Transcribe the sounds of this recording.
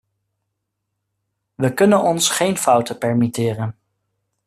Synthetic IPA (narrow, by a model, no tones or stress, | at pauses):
ʋəkɵnənɔnsχejnfʌwtəpɛɹmitɪːrən